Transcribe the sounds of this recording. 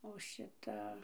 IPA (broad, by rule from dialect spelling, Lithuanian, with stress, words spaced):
oː ˈʃʲɪtɐ